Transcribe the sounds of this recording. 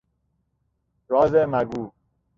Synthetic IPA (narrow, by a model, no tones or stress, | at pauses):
ɾɔːzemæɡuː